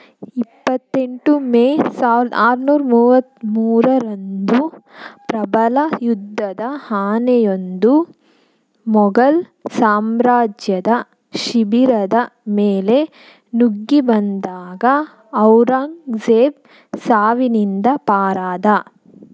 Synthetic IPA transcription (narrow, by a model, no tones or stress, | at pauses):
ipːɐt̪ːeɳʈumeːsaːʋɾd̪aːɾnuːɾɐmuːʋɐt̪muːɾɐɾond̪upɾɐbɐlɐjud̪ʱːɐd̪ɐhaːnɛjo̞nd̪u | mɔɡɐl | saːmɾaːd͡ʒjɐd̪ɐ | ʃibiɾɐd̪ɐmeːle̞ | nuɡːibɐnd̪aːɡɐː | wɾaːŋɡd͡ʒeːb̚ | saːʋinind̪ɐpaːɾaːd̪ɐ